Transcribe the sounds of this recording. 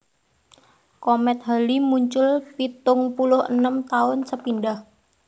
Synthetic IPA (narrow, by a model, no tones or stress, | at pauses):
kɔmɛt̪̚ɦalimuɲt͡ʃʊlpit̪ʊŋpulʊhə̰nəmt̪aʊnsəpindah